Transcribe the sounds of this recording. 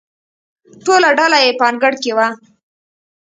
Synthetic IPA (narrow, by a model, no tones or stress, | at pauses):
ʈolaɖalajepɑnɡəɽkewa